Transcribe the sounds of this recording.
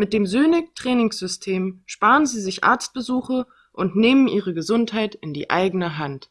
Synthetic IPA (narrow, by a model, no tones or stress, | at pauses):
mɪt̚d̥eːmzøːnɪktʁ̥ɛːnɪŋsz̥ʏstʰeːmʃpaːʁənziːzɪçʔa̰ɐt͡st̚b̥əzuːχɐ | ʔʊntneːmənʔiːʁ̞əɡəzʊnthaɪtɪndḭːʔa̰ɪɡənəɦant